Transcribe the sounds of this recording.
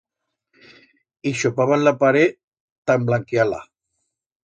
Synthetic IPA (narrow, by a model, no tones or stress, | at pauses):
iʃopaβanlapaɾe | t̪amblaŋkiala̰